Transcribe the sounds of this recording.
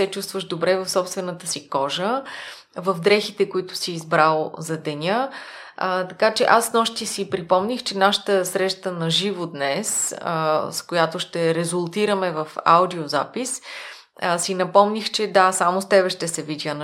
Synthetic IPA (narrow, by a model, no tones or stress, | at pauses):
ɛt͡ʃust̪vəʒd̪obɾɛvɐfsɔpst̪vɛnət̪əsikɔʒə | vəfd̪ɾɛxit̪ɛkoit̪ʊ̥siːzbɾalˠzɐd̪ɛnʲə | t̪ɐkat͡ʃɛʔasnɔʃt̪isipɾipɔmnʲixt͡ʃɛnaʃə̥t̪əsɾɛʃt̪ənɐʒivod̪nɛs | skojat̪oʃt̪ɛɾɛzʊlˠt̪iɾəmɛvəfa̰wd̪ioza̰pis | sinɐpɔmnixt͡ʃɛd̪asamost̪ɛbɛʃt̪ɛsɛvid̪ʲən